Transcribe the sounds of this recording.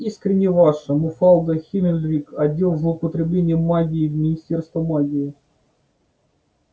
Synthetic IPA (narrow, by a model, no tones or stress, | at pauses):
iskɾʲɪnʲːɪvaʂəmʊfalˠɡ̪əxʲimʲɪlʲɾʲikɐdʲːelˠzlˠəʊpət̪ɾʲɪblʲenʲɪjəmaɡʲɪːvmʲɪnʲɪsʲtʲerst̪vəmaɡʲɪɪ